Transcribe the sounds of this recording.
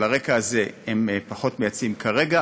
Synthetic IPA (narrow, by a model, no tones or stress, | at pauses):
laʁe̞kaːze̞empaχo̞tme̞jat͡simkʰaʁe̞ɡa